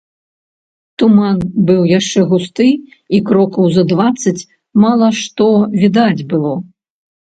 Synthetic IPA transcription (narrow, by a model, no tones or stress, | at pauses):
t̪umanbɨwjaʂt͡ʂɛɣust̪ɨ | ikɾɔkɐwzɐd̪vat̪sːɐt͡sʲ | malˠɐʂt̪ɔvʲid̪ad͡zʲbɨlˠɔ